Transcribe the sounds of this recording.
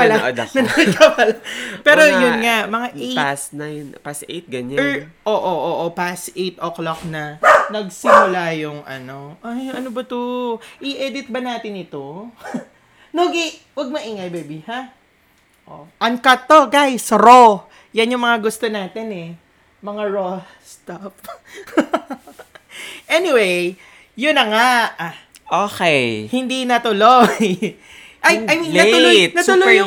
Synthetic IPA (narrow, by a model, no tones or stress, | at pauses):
pɐlad̪nɐnt͡ʃapɐlapɛːɾojʊŋamɐŋaʔʔeasnajnpasʔḛt̪̚ɡɐɲaʔoːʔoʔoʔopasʔejt̪ʔoklok̚nɐnɐɡsɪmʊlajʊŋʔɐ̰no̞ʔajɐnobɐt̪uʔɪʔɛd̪ɪt̪̚bɐnaːt̪ɪnɪt̪o | noɡɪ | wɐɡ̚mɐʔiːŋɐjbɛːbɪha | ʔo̰ʔɐŋkɐt̪ːo̞ɡajsɾo | jɐnjʊŋmɐŋaɡʊst̪onaːt̪ɛnɛ | mɐŋaɹo | st̪af | ʔɛnɪwej | jʊnɐŋa | ʔoːkɛjhɪnd̪inɐt̪ʊlo | ʔɐjɐjlt̪ʊlojt̪nɐtsʊlojjʊ